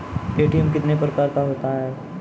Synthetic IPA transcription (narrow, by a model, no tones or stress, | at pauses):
eːʈiɛmkɪt̪nepɾəkaːɾk̪aɦoːt̪aɦɛ̃ː